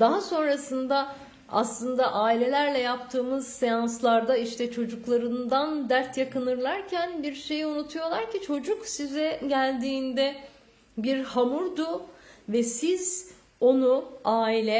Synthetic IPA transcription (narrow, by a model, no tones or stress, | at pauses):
d̪̥aɦaso̞nɾasɯnd̪a | a̰slˠɯnd̪aʔaːilʲe̞lʲæɾlʲɛjapt̪ʰɯːmɯz̥sejanslˠaɾd̪aiʃt̪ʰɛt͡ʃʰo̞d͡ʒuklˠaɾɯnd̪and̪æɾt̪ʰjakɯnɯɾlˠaɾcʰænbiɾʃe̞jiunut̪ʰujo̞lˠaɾcit͡ʃʰo̞d͡ʒuksizɛɟælʲd̪iːnd̪ɛ | biɾhamuɾd̪uvɛsiz̥ | o̞nuaːilʲɛ